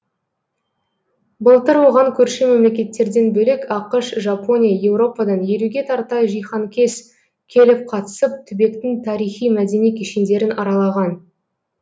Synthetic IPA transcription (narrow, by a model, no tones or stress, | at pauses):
bəlˠt̪əɾwo̞ʁɑŋkʲʰɵɾʃeme̞mle̞kʲe̞t̪ːe̞ɾd̪e̞nbɵlekɑqəʃʒapo̞nʲijaje̞wɾo̞pɑd̪ɑnje̞ɾuɡʲe̞t̪ʰɑɾt̪ɑjʒijχɑŋkʲʰe̞s | kʲʰe̞lɪp̚qʰɑt̪ə̥səp̚t̪ʰʏbe̞kt̪ɪŋt̪ʰɑɾijχijmæd̪e̞nijkʲʰeʃend̪e̞ɾɪnɑɾɑlˠɑʁɑn